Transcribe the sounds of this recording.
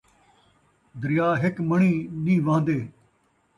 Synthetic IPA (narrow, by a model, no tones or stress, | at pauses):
d̪ɾɪjaːɦɪkməɳĩːnĩːʋãːnd̪eː